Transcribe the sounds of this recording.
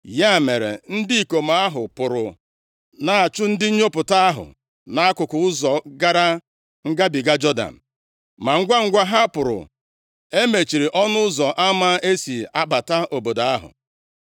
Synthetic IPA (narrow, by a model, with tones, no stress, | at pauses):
ja˦˨me˨ɾḛ˨n̩˦dɪ˦i˨ko˨ma˦ɦʊ˨pʊ˨ɾʊ̰˨ | na˨a˨t͡ʃʊ˦n̩˦dɪ˦ɲ̩˦ɲo˦pʊ˨ta˦a˦ɦʊ̰˨ | na˦a˦kʊ˨kʊ˨ʊ˦zɔ˨ɡa˦ɾa˦ | ŋ̩˦ɡa˦bi˨ɡa˦d͡ʒɔ˦da̰˨n̩˨ | ma˨ŋ̩˦ɡʷa˦ŋ̩˦ɡʷa˦ɦa˦pʊ˨ɾʊ̰˨ | e˦me˨t͡ʃi˨ɾi˨ʔɔ˦nʊ˦ʊ˦zɔ˨ʔa˦ma˦ʔe˦si˨a˦ba˨ta˦ʔo˨bo˨da˨a˦ɦʊ̰˨